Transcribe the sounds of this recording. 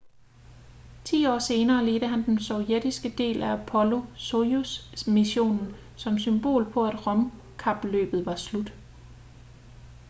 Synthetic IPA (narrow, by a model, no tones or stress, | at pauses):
t͡sʰḭːɒ̰ːse̝ːnɐːle̝ːd̥əɦænd̥ensɒʊjed̥isɡ̥əd̥e̝̰ːlææpʰɒ̽lo̝sousmiɕo̝̰ːnn̩ | sɒ̽msymb̥o̝̰ːlpʰɒ̽æd̥ʁɒ̽m | kʰɑ̈b̥lø̰ːb̥ð̞̩ˠʋɑ̈slud̥